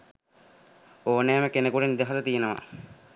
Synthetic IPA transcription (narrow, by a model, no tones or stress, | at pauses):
oːneːməkenəkuʈenid̪əɦat̪ət̪ijenəʋa̰